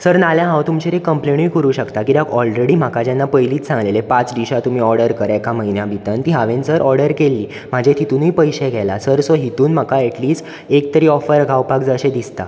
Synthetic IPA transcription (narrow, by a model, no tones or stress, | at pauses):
səɾnaljãɦãwt̪umt͡ɕeɾekːəmpleɳ̃ijkəɾuːɕəkt̪akit̪akɔlɾeɽim̤akad͡ʑjanːapəjliːt̪sãŋɡlelepãt͡sd̪iɕat̪um̤iːɔɾɽəɾkəɾɛkaməɦinjabʱit̪ənt̪iɦaʋensəɾʔɔɾɽəɾkelːiː | m̤ad͡ʑʱet̪it̪unipəjɕeɡʱɛlasəɾsoɦit̪uːnm̤akaɛʈliːsʈ | ek̚t̪əɾiːɔfəɾɡʱawpakd͡zaɕẽd̪ist̪a̰